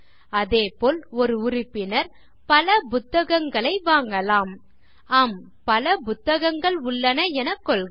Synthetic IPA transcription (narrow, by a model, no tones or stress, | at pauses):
ɐðeːpoːlɔɾɯʊrɪpːɪnɐɾ | pɐlɐpʊt̪ːɐɣɐŋɡɐɭɐɪʋaːŋɡɐlaːm | aːm | pɐlɐpʊt̪ːɐɣɐŋɡɐɭʊɭːɐnɐɛnɐkːɔɭ